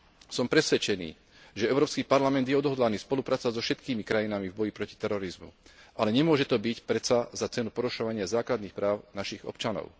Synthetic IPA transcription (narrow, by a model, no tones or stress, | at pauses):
sɔmpɾɛsʋɛt͡ʃɛnḭː | ʒɛɛʊɾɔːpskiːpaɾlamɛnd̪jɛɔd̪ɦɔd̪laniːspɔlupɾaːt͡sazɔfʃɛt̪kiːmikɾajinamivbɔjipɾɔci̥t̪ɛɾɔɾizmṵʔalɛɲɛmʊɔʒɛt̪ɔbicpɾɛt͡sazat͡sɛnupɔɾuʃɔʋaɲɪazaːklad̪niːxpɾaːʊnaʃiɣɔ̰pt͡ʃanɔ̰ʊ